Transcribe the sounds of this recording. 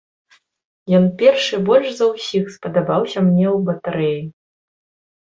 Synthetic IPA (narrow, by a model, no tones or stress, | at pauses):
jɔnpʲɛrʂɨbɔlʲʂzɐwsʲixspɐd̪abawsʲɐmnʲɛwbɐt̪aɾɛji